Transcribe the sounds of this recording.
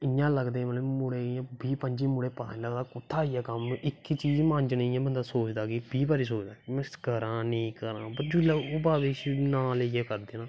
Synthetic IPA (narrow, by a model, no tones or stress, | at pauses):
ɪjãːləɡd̪ẽːmənmʊɽeːãːbiːpəɲd͡ʒiːmʊɽeːpətʰa̰ːləɡd̪aːkʊt̪ʰːaːijaːkəmɪkːt͡ʃiːd͡ʒmãːɲd͡ʒnəjãːbənd̪aːsoːt͡ʃd̪aːkibiːbaːɾiːs̬oːt͡ʃd̪aːkimɛ̃skəɾãːneĩːkəɾã̰ːpəɾd͡ʒʊlaʊbaːʋeːʃnãːleːɡeːkəɾd̪eːnãː